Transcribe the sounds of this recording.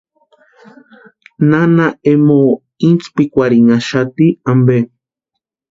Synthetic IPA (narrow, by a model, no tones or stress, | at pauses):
nanaemo | int͡spikʷaɾiŋaʃat̪iambe